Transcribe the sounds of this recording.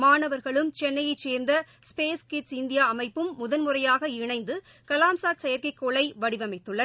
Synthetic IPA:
maːɳɐʋɐɾɣɐɭɯmt͡ʃɛnːɐjɐt͡ʃːeːɾnd̪ɐ | speːskɪʈsɪnd̪ɪjaːɐmɐɪpːɯmːʊðɐnmʊrɐjaːɣɐɪɳɐɪnd̪ɯ | kɐlaːmsaːʈsɛjɐɾkɐɪkːoːɭɐɪʋɐɽɪʋɐmɐɪt̪ːɯɭːɐ

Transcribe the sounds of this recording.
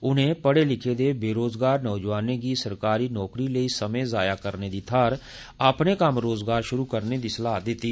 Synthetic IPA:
ʊnɦẽpəɽelɪkʰed̪ebeːɾoːzɡaːɾnɔːd͡ʒʋaːnekisəɾkaːɾiːnɔːkɾiləisəmẽzaːjakəɾned̪it̪ʰaːɾ | aːpnekəmɾoːzɡaːɾʃʊɾukəɾned̪isəlaːd̪ɪt̪iː

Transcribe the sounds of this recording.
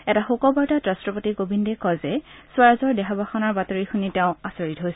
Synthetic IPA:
ɛtaxokɔbɔɹtatɹastɹɔpotiɡobindekɔjzɛswaɹazɔɹdɛxʰɔbʱaxɔnɔɹbatoɹixunitɛʊ̃asoɹitɦojsɛ

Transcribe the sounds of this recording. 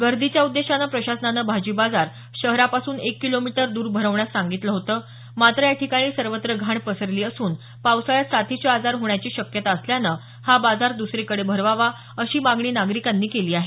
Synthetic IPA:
ɡəɾd̪it͡ɕjaud̪ːeɕanapɾəɕasənanəbʱad͡ʑiːbad͡zaɾ | ɕəɦɾapasuːnekːilomiʈəɾd̪uːɾbʱəɾəʋɳjasːaŋɡit̪ləɦot̪əː | mat̪ɾəjaʈʰikaɽ̃iːsəɾʋət̪ɾəɡʱaɳpəsəɾliːəsuːn | pawsaɭjat̪sat̪ʰit͡ɕead͡zaɾɦoɳjat͡ɕiːɕəkjət̪aəsljanə | habad͡zaɾd̪usɾikəɽebʱəɾʋaʋa | əɕiːmaɡɳiːnaɡɾikanːiːkeliːaɦe

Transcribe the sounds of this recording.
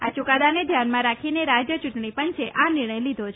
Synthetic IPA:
at͡ʃukad̪aned̪ʱjanmãɾakʰineɾad͡ʒjət͡ʃuʈɳipənt͡ʃeʔʔanɪɾɳ̃əjlid̪ʱot͡ʃʰ

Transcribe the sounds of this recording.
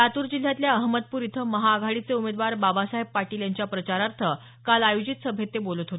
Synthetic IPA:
at̪uːɾd͡ʑil̤ːjat̪ljaəɦməd̪̚puːɾit̪ʰəməɦaːɡʱaɭit͡seumed̪ʋaɾbabasaɦepːaʈiːljaɲt͡ɕjapɾət͡ɕaɾaɾt̪ʰə | kalajod͡ʑit̪səbʱet̪ːebolət̪ɦot̪e

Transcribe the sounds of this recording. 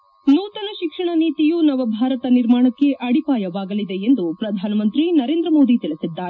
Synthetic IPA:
nuːt̪ɐnɐʃikʂɐɳɐniːt̪ijunɐʋɐbʱaːɾɐt̪ɐniɾmaːɳɐkːe̞ʔɐɽipaːjɐʋaːɡɐlid̪e̞end̪upɾɐd̪ʱaːnɐmɐnt̪ɾinɐɾe̞ːnd̪ɾɐmo̞ːd̪it̪iɭisid̪ːaːɾe

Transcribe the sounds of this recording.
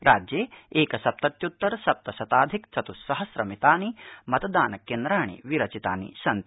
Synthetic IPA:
ɾaːd͡ʒjeːeːkɐsɐp̚t̪ɐt̪jut̪ːɐɾsɐp̚t̪ɐsɐt̪aːd̪ʱikt͡sɐt̪usɐɦɐsɾɐmit̪aːnimɐt̪ɐd̪aːnɐkend̪ɾaːɳ̃ḭʋiɾɐt͡ʃit̪aːnḭsɐnt̪

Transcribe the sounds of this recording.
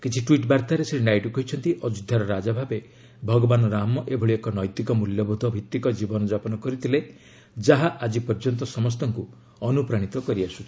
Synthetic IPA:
kit͡ʃʰiʈwiʈbaɾt̪aɾesɾinajʈɔkɔɦjt͡ʃʰɔnt̪iʔɔd͡ʒud̪ʱjaɾɔɾad͡ʒabʱabe | bʱɔɡɔbanɔɾamɔʔebʱɔɭiekɔnɔjt̪ikɔmuljɔbʱud̪ʱɔbʱit̪ːikɔd͡ʒibɔnɔd͡ʒapɔnɔkɔɾit̪ʰile | d͡ʒaɦaʔad͡ʒipɔɾd͡ʒɔnt̪ɔsɔmɔs̬t̪ɔŋku | ɔnupɾaɽ̃it̪ɔkɔɾiasu̥t͡ʃʰi̥

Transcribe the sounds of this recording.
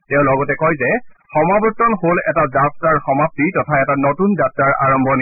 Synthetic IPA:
tɛ̃ʊ̃lɔɡɔtɛkɔjzɛxɔmabɔtːɔnholɛtazatɹaɹxɔmap̚titɔtʰaɛtanotunzatɹaɹa̰ɹɔmbʱɔn

